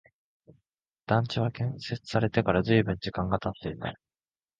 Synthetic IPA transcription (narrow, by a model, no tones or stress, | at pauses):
d̪̥ãɲ̟t͡ɕiβ̞akẽ̞se̞t͡sɨ̥saɾe̞t̪e̞kaɾazɨibɯ̟̃ɲ̟d͡ʑikãŋɡat̪at̪ːe̞it̪a